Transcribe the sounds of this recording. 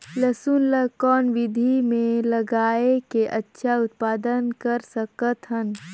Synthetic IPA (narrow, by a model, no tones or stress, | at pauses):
ləsuːnləkɔːnʋɪd̪ʱimẽləɡaːekeʔətːʃʰaʊt̪paːd̪ənkəɾsəkət̪ɦən